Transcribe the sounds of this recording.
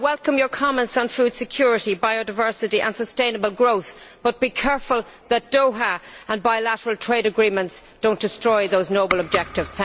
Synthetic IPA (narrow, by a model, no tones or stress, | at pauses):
wɛlˠkə̃mjə˞kʰɑmɛ̃ntsn̩fuːd̥sɨkʰj̥ʊːɹɪɾibaɪodaɪvɜ˞sɨɾiʔə̰̃nsəstẽɪ̃nəbəlˠɡɹoʊθb̥ʌt̚b̥ikʰɛɹfəlˠ | ðət̚d̥oʊɦəə̃nbaɪlaɾəɹəlˠtʰɹ̥eɪɾəɡɹĩmə̃ntsd̥õʊ̃nd̥ɪstɹ̥ɔɪðoʊznoʊbələb̚d͡ʒɛk̚tɪvz̥θæ̃